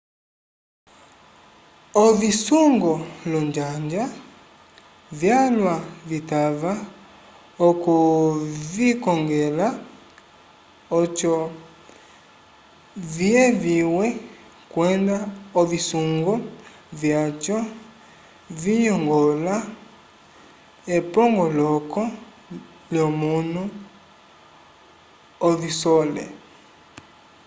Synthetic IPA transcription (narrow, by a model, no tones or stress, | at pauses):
ɔvisuŋɡɔlɔɲd͡ʒaɲd͡ʒa | vjalwavitava | ɔkuvikɔŋɡɛla | ɔt͡ʃɔ | viɛviwɛ | kwɛndaovisuŋɡɔ | vjat͡ʃɔ | viɲɔŋɡɔla | epɔŋɡɔlɔkɔ | ljɔmunu | visɔlɛ̰